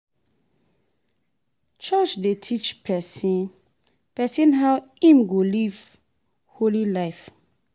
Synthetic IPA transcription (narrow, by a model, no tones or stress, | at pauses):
t͡ʃɔt͡ʃdetʰit͡ʃpʰɛsĩn | pɛsĩnɦawĩmɡoliv | holilaɪf